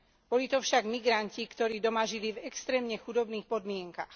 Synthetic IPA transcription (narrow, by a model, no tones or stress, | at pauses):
b̥ɔlit̪ɔfʃaɡmiɡɾaɲcikt̪ɔɾiːd̪ɔmaʒilivɛkst̪ɾɛːmɲɛxud̪ɔbniːxpɔd̪mɪɛŋkax